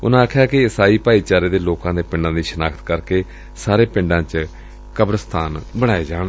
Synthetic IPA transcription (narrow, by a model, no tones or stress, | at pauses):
ʊnãːakʰːjaːkɪɪsaːiːpaːiːt͡ʃaːɾeːd̪eːloːkãːd̪eːpɪ̃ɳɖãːd̪iːʃənaːkʰt̪kəɾkeː | saːɾeːpɪ̃ɳɖãːt͡ʃ | kəbɾəst̪ʰaːnbəɽ̃aːeːd͡ʒaːɽ